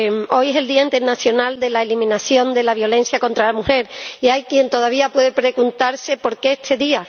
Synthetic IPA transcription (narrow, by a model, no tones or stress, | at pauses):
mo̞jese̞ld̪iaint̪eɾnaθjo̞nald̪e̞laelimĩnaθjo̞nd̪e̞laβjo̞le̞n̟θjako̞nt̪ɾalamuxe̞ɾiajkje̞nt̪o̞ð̞aβ̞iapwe̞ð̞epɾe̞ɣunt̪aɾse̞po̞ɾke̞eht̪ʰeðia